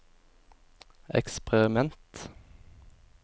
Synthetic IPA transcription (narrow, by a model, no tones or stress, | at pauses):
ɛ̰kspɛɾɪmɛnt̪